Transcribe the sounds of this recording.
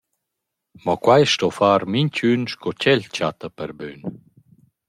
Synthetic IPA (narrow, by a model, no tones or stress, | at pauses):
mɔkwajʃtɔfaːɾmiɲt͡ɕynʃkɔt͡ɕɛʎt͡ɕat̪əpɛɾbyn